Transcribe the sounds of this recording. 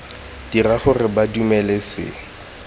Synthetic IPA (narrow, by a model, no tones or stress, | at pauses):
d̥iraχʊrɪbadumɛlɛsɪ̰